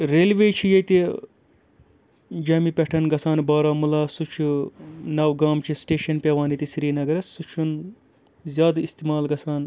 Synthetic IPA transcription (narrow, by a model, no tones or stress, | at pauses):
ɾeːlʋeːt͡ʃʰijɐt̪i | d͡ʒɐmipʲɐʈʰɐnɡɐsaːnbaːɾaːmulaːsut͡ʃʰunɐwɡaːmt͡ʃʰisʈeːʃɐnpʲɐʋaːnit̪isiɾiːnɐɡɐɾɐsːut͡ʃʰun | zjaːd̪ist̪iːmaːlɡɐsaːn